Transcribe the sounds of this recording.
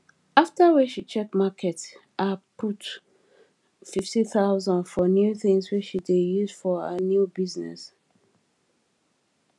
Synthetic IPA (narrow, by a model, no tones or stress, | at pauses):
aftawiʃit͡ʃɛkmakʰɛtʔapʰut | fiftiθaʊzãndfɔnjuθĩŋswit͡ʃʃidejuzfɔə̰njubiznɛ̰s